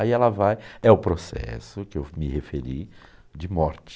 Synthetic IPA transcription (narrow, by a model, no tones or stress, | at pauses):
aiɛlɐvajɛʊpɾosɛ̰sʊkɪewmɪhefeɾi | d͡ʒɪmɔɾt͡ʃɪ̥